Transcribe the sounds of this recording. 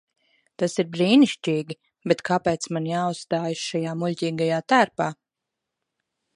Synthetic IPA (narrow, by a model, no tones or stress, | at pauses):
t̪asiɾbɾiːniʃt͡ʃʲiːɡʲi | bet̪kʰapɛːt̪smanjaːusst̪aːjasʃajaːmulʲciːɡajaːt̪æːɾpaː